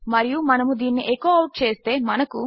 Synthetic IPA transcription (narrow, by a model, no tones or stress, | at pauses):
mɐɾijumɐnɐmud̪iːnːiʔekoːɐwʈ̚t͡ʃe̞ːst̪e̞ːmɐnɐku